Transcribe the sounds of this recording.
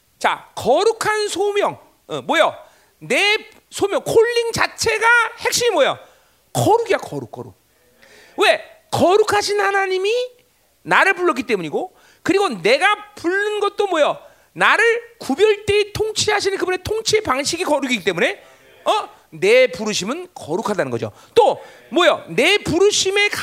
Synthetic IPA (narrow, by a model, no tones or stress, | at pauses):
t͡ɕa̰kʌɾukʰansʰomjʌŋ̰ | mwʌjʌ | ne̞ | sʰomjʌŋkʰoɭːiŋt͡ɕat͡ɕʰe̞ɡahe̞k̚ɕ͈iɲimwʌja̰ | kʌɾuɡiakʌɾuk͈ʌ̰ɾṵk̚ | we̞ | kʌɾukʰaɕʰinhanaɲimi | naɾɯɭpuɭːʌk͈it͈e̞muɲiɡo | kɯɾiɡone̞ɡapuɭːɯnɡʌt̚t͈omwʌjʌ | naɾɯɭkubjʌɭt͈eːtʰoŋt͡ɕʰiɦaɕ̬ʰinɯnkɯbune̞tʰoŋt͡ɕʰipaŋɕʰiɡikʌɾuɡiɡit͈e̞mune̞ | ʌ | ne̞puɾɯɕʰimɯnkʌɾukʰadanɯnɡʌ̰d͡ʑo̰ | t͈o | mwʌjʌne̞puɾɯɕʰime̞k